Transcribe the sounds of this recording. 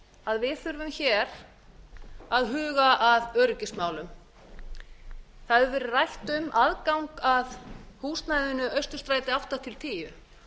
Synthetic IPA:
aðvɪðθʏɾvʏmçɛɾ̥ | aðɦʏːɣaʔaðœɾʏcɪsmaːwlʏm | θaðʏɾvɛːɾʏrajht̪ʏmaðkawŋkaðhuːst̪najðɪnʏœɥst̪ʏ̥ɾ̥st̪ɾaːjt̪ɪawht̪at̪ʰɪlt̪ʰiːjʏ

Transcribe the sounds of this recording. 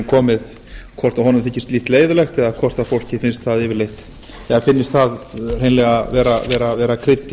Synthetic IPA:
kʰɔːmɪð | kʰɔr̥t̪aɦɔnʏmθɪcːɪ̥st̪liht̪leːjðʏlɛxt̪ɛðakʰɔr̥t̪afowl̥cɪfɪnst̪θaðɪvɪɾlejht̪ | ɛðafɪnːɪst̪θaðr̥ejnlɛɣavɛːɾavɛːɾavɛːɾakʰɾɪt̪ː

